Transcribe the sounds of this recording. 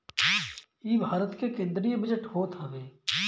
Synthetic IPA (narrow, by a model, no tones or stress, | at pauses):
iːbʱaːɾət̪kekẽːnd̪ɾijbɪd͡ʒəʈɦoːt̪ɦɐʋeː